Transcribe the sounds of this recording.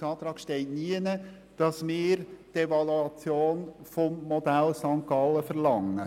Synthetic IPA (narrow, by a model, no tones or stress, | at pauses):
ɑːt̪ɾɑːɡ̥ʃtɛɪtniənə | d̥ɑsmɪːɾtevɑluɑt͡sjoːnfɔmːɔd̥̪ælsɑŋkɑlːəfəɾlɑŋːə